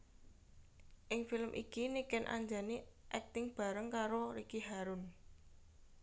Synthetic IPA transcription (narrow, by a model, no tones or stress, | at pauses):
ʔɪŋfilmʔḭkinikɛnʔa̰ɲd͡ʒaniʔɛk̚t̪ɪŋb̥a̤ɾəŋkaɾoɾikiɦaɾʊn